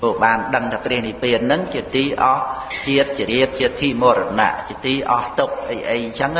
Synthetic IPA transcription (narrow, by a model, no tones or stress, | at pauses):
poːɓaːnɗəŋt̪ʰaːprɛ̆əhnipiət̪̚nɨŋt͡ɕiət̪iːʔɑh | t͡ɕiət̪̚t͡ɕiəɾiəp̚t͡ɕiət̪̚ʰːimoəɾɔna̰ʔt͡ɕiət̪iːʔɑht̪ʊk̚ʔəjʔəjt͡ɕʰəŋ